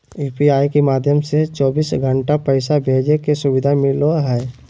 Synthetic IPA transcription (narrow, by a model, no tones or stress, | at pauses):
juːpiaːikemaːd̪ʱjəmset͡ʃɔːbiːsɡʱə̃ɳʈapɛɪsabʱeːd͡ʒekesʊʋɪd̪ʱamɪloɦɛː